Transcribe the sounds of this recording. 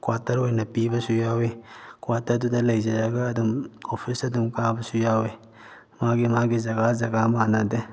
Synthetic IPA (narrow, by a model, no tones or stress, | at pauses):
kwaːtɐɾwojnɐpiːbɐsujaːwekwat̪ɐɾd̪ud̪ɐlɐjd͡ʒɐjaɡaːd̪ɐmofʰisɐd̪mkaːbɐsujaːwe | maːɡemaːɡezɐɡazɐɡamaːnad̪e